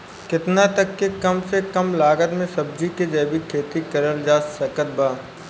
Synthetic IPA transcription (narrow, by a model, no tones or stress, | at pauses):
kɪt̪nat̪ɐkːekɐmsekɐmlaːɡət̪mẽsɐb̚d͡ʒiked͡ʒɛːbikʰeːt̪ikɐɾəld͡ʒaːsɐkət̪̚baː